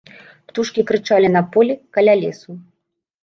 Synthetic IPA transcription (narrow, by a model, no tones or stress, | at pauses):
pt̪uʂkʲikɾɨt͡ʂalʲinɐpɔlʲikɐlʲalʲɛsu